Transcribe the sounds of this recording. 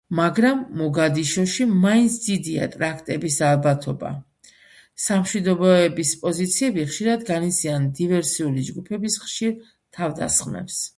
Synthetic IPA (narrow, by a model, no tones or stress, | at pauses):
maɡɾamːɔɡad̪iʃɔʃimaint̪sʰd̪̥id̪ia̰t̪ʼɾakʰt̪ʼɛbisalˠbat̪ʰɔba̰ | samʃwid̪ɔbɔɛbispʼɔzit̪sʰiɛbiχʃiɾad̪ɡanit̪siand̪ivɛɾsiulid͡ʒɡupʰɛbisχʃiɾ | t̪ʰavd̪a̰sχmɛ̰ps